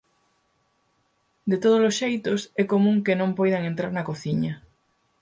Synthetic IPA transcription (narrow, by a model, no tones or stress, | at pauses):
d̪et̪oð̞olosʃejt̪osɛkomũŋkenõmpojðaŋẽnt̪ɾaɾnɐkoθiɲɐ